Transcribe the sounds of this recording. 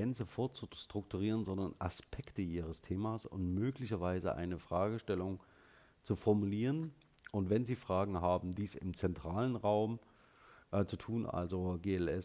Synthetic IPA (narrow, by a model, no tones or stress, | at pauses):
ɛnt͡səfoːɐt͡suʃtʁ̥ʊk̚tʰuʁ̞iːʁ̞ənzɔndɐnʔa̰spʰɛktəʔiːʁ̞əstʰeːmaːsʊ̰ntmøːklɪçɐvaɪzəʔa̰ɪnəfʁ̥aːɡəʃtɛlʊŋ | t͡sufɔɐmuliːʁən | ʔʊntv̥ɛnziːfʁ̥aːɡŋ̩ɦaːbm̩diːsɪ̰mt͡sɛntʁ̥aːlənʁaʊm | ʔt͡sutʰuːnʔa̰lzoɡeːɛlɛ